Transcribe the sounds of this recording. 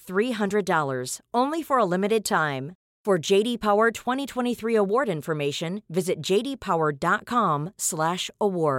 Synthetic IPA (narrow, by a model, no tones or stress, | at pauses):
θɹiɦʌ̃ndɹɨdɔlˠə˞z̥õʊ̃nlifə˞əlɪ̃mɨɾɨd̚tʰãɪ̃m | fə˞d͡ʒeɪɾipʰaʊə˞tʰw̥ɛ̃ɾ̃itʰw̥ɛ̃ɾ̃iθɹiəwɔɹɾɪ̃nfə˞meɪʃɨ̃nvɪzɨt̚d̥ʒ̥eɪɾipʰaʊə˞dɑt̚kʰɑ̃mslæʃəwɔɹd̥